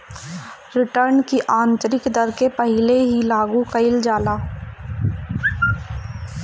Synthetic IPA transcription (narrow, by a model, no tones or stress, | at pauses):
ɾɪʈəɾnkiʔaːnt͡ʃəɾɪkd̪əɾkepəɦɪleɦilaːɡũkɐɪld͡ʒaːlaː